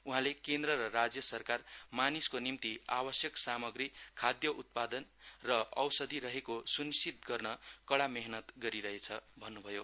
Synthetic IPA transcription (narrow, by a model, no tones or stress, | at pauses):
uɦãlekend̪rʌɾʌrad͡zjʌsʌrkarmaniskonimt̪iabʌsjʌksamʌɡrikʰad̪jʌʔut̪̚pad̪ʌnrʌʔʌwsʌd̪ʱiɾʌɦekosunisit̪̚ɡʌrnʌkʌɽameɦnʌt̪ɡʌɾiɾʌɦet͡sʰʌbʱʌnːubʱʌjo